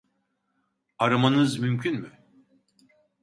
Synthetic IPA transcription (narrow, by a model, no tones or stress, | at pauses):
aɾamanɯzmymcʰynmy